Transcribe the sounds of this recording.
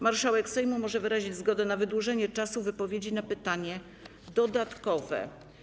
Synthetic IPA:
maɾʂawɛkfsɛjmumɔʐɛvɘɾaʑid͡ʑzɡɔd̪ɛnavɘd̪wuʐɛɲɛt͡ʂasuvɘpɔvʲjed͡ʑinapɘt̪aɲɛ | d̪ɔd̪at̪kɔvɛ̰

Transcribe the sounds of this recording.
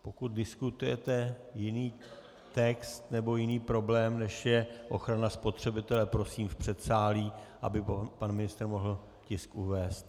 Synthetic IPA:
po̞kut̪̚dɪskut̪ujɛ̰t̪ɛjɪniː | t̪ɛkst̪nɛbo̞jɪniːpɾo̞blɛːmnɛʃjɛʔo̞xɾanaspo̞t̪r̝̥ɛbɪt̪ɛlɛpɾo̞siːmfpr̥ɛt̪saːliːʔa̰bɪpanmɪnɪst̪ɾmo̞ɦl̩ | cɪskʔuvɛːst̪

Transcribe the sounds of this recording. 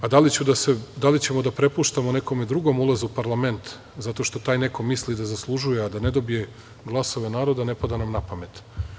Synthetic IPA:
ad̪alit͡ɕud̪ased̪alit͡ɕe̞mod̪apɾe̞puʃt̪amoneko̞med̪ɾuɡo̞mulˠazuupaɾlˠame̞nt̪ | zat̪o̞ʃt̪o̞t̪aːjneko̞mislid̪azaslˠuʒujead̪ane̞d̪o̞bije | ɡlˠaso̞ʋe̞naːɾod̪ane̞pad̪anamnapame̞t̪

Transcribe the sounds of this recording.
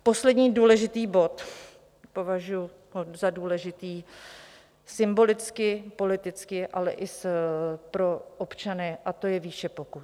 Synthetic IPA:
po̞slɛdɲiːduːlɛʒɪt̪iːbo̞t̪ | po̞vaʒujʊ | ɦozaduːlɛʒɪt̪iː | sɪmbo̞lɪt͡skɪpo̞lɪt̪ɪt͡skɪʔalɛ̰ʔɪspɾo̞ʔopt͡ʃanɛʔat̪o̞jɛviːʃɛpo̞ku

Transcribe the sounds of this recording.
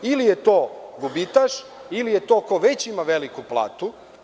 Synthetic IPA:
ilijet̪oːɡubit̪aʃ | ilijet̪okoʋet͡ɕimaʋelikuplˠa̰ːt̪u

